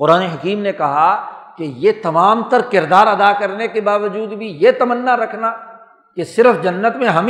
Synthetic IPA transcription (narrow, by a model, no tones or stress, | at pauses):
qʊɾaːneɦɐkiːmnekɐɦakejet̪ɐmaːmt̪ɐɾkɪɾd̪aːɾɐd̪akɐɾnekebaːʋəd͡ʒuːd̪bʱijet̪ɐmənːaɾɐkʰna | kesɪɾfd͡ʒɐnːət̪mẽɦɐm